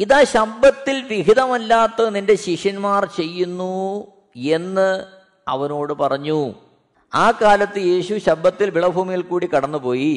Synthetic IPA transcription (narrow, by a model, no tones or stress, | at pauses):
iðaːɕɐbɐt̪ːilʋiɣiðɐmɐlːaːt̪ːɐninde̞ɕiʂɐnmaːrt͡ɕe̞jːunːu | e̞nːɨ | ɐ̰ʋɐno̞ːɽɨpɐrɐɲːu | aːkaːlɐt̪ːɨje̞ːɕuɕɐbːɐt̪ːilʋiɭɐbʱuːmijilkuːɽikɐɽɐnːupo̞ːji